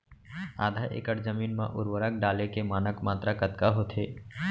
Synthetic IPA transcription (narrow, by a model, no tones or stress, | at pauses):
a̰ːd̪ʱaʔḛkəʈzəmiːnmã̰ʔʊ̰ɾwəɾəkɖaːlekemaːnəkmaːt̪ɾakət̪kaɦot̪ʰeː